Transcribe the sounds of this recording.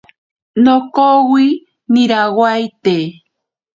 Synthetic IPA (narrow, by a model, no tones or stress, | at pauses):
nokowi | nĩɾawajt̪e